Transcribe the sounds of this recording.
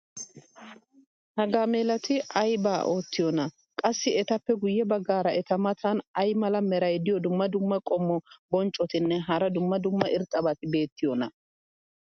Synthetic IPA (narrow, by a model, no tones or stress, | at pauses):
hɐɡaːmeːlɐt̪ɪɐjbaːʔoːt̪ːɪjɔnɐ | kʼɐsːɪɛt̪ɐpːɛɡʊjːɛbɐɡːaːɾɐɛt̪ɐmɐt̪ʰɐnɐjmɐlɐmɛɾɐjd̪ɪjɔd̪ʊmːɐd̪ʊmːɐkʼɔmːɔbɔnt͡ʃʼɔt̪ɪnːɛɦɐɾɐd̪ʊmːɐd̪ʊmːɐʔɪɾt̪ʼːɐbɐt̪ɪbe̞ːt̪ːɪjɔnɐ